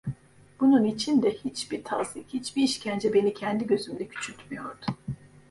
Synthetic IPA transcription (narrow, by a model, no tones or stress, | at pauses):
b̥ununit͡ʃʰind̪ɛhit͡ʃbiɾt̪ʰa̰zikhit͡ʃbiiʃcʰænd͡ʒɛbe̞nicʰænd̪iɟø̞zymd̪ɛcʲʰy̥t͡ʃʰyt̪myjo̞ɾd̪ʊ